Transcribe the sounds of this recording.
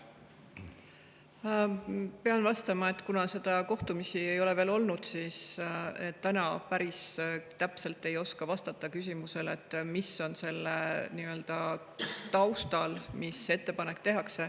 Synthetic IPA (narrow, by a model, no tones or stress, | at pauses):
pe̞ɑnvɑst̪ɑmɑe̞t̪ːˑkunɑse̞d̪̥ɑko̞ht̪umisie̞jo̞le̞ve̞ːlo̞lnud̪̥siːset̪ːænɑpæɾist̪æpse̞lt̪ːˑe̞jo̞skɑvɑst̪ɑt̪ˑːɑkys̬ʲimuse̞le̞t̪ːˑmiso̞nse̞lːeniø̞ld̪̥ɑ | t̪ɑwst̪ɑlmise̞t̪ːe̞pɑnekt̪e̞ɦɑkse̞